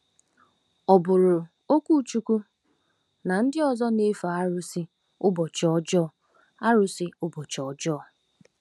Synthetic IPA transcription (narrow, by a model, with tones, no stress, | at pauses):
ɔ˨bʊ˨ɾʊ˨ | o˦kʷu˦˨t͡ʃu˨˦ku˦ | na˨n̩˦dɪ˦ɔ˨zɔ˦ne˦fa˨a˦ɾʊ˦sɪ˦ | ʊ˦bɔ˨t͡ʃɔ˦d͡ʒɔ˦˨ | a˦ɾʊ˦sɪ˦ʊ˦bɔ˨t͡ʃɔ˨d͡ʒɔ˦˨